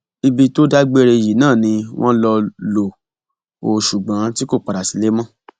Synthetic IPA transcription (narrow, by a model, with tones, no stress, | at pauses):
i˧bi˧to˦da˦ɡ͡be˦ɾe˧ji˨nãː˦˨nĩ˧w̃ʔɔ̃˦lɔ˧lo˨ | o˨ʃu˨ɡ͡bã˨˦ti˦ko˦˨k͡pa˨ɾa˨si˨˦le˦mã˦